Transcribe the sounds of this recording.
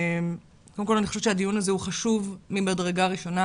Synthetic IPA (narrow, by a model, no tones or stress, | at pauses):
m | kodemkolanixoʃet͡ʃeadijunazeuχaʃuvmimadʁeɡaʁiʃo̞na